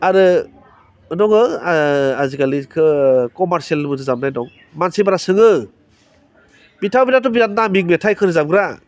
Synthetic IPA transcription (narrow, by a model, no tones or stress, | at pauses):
aɾɯ | nɔŋɯaaziɡalikʰɯkɔmaɾsielbɯtʰɯzamnajnɔŋ | mansibaɾasɯŋɯ | bitʰawbinatɔbizat̚namiŋmetʰajkʰɯɾɯzabɡɾa